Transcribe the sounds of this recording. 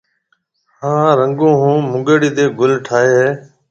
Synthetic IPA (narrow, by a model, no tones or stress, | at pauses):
hãːɾəŋɡõːɦũːmʊ̃ŋɡeːɽiːd̪eːɡʊlʈʰaːɦeːɦeː